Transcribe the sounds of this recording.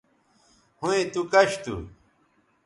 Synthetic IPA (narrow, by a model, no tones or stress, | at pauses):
hũẽt̪ukɐɕt̪ṵ